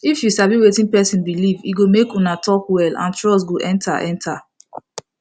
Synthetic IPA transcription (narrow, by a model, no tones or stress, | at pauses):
ifjusabiwetĩnpɛsĩnbilivḭɡomekunatʰɔkwɛlã̰ntɹɔs̬ɡoʔɛ̃ntʰa̰ʔɛ̃ntʰa